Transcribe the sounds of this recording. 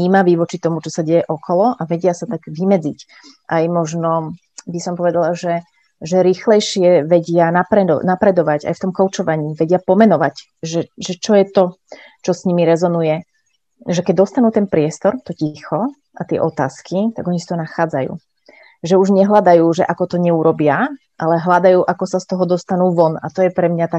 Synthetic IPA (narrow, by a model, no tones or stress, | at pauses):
iːmaʋiːʋɔt͡ʃit̪ɔmut͡ʃɔsaɟɛjɛʔɔkʰɔlɔʔaʋɛɟɪasat̪aɡʋimɛd͡zic | ʔajmɔʒnɔ | bisɔmpɔʋɛd̪alaʒɛ | ʒɛɾiːxlɛjʃɪɛʋɛɟɪanapɾɛnapɾɛd̪ɔʋaɟa̰jft̪ɔmkɔʊt͡ʃɔʋaɲiːʋɛɟɪapɔmɛnɔʋac | ʒɛʒɛt͡ʃɔjɛt̪ɔ | t͡ʃɔsɲimiɾɛzɔnujɛ | ʒɛkɛɟ̚d̪ɔst̪anuːt̪ɛnpɾɪɛst̪ɔɾt̪ɔcixɔ | ʔat̪ɪɛ̰ʔɔt̪aːskit̪a̰ɡɔɲisat̪ɔnaxaːd͡zajṵː | ʒɛuʒɲɛɦlad̪ajuːʒɛʔakɔt̪ɔɲɛuɾɔbɪa | ʔalɛɦlad̪ajuːʔakɔsast̪ɔɦɔd̪ɔst̪anuːʋɔna̰t̪ɔjɛpɾɛmɲat̪ak